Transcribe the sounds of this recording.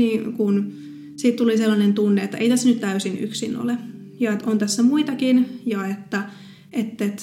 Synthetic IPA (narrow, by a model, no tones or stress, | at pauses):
niːkun | siːt̪t̪uliselːɑnent̪unːeet̪ːæʔeit̪æsːænyt̪t̪æysiny̰ksino̰le | jɑet̪ont̪æsːæmuit̪ɑkinjɑet̪ːæ | ʔet̪ːet̪